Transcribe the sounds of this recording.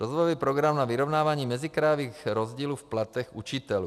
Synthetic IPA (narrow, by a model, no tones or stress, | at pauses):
ɾɔzʋɔjɔʋiːpɾoɡɾamnaviɾɔʊnaːvaɲiːmɛzikɾajoviːɣɾɔzɟiːluːfplat̪ɛɣut͡ʃit̪ɛlu